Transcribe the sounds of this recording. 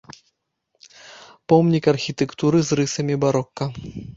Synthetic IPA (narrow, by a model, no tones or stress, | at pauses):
pɔmnʲikɐrxʲit̪ɛkt̪uɾɨzrɨsɐmʲibaɾɔkːɐ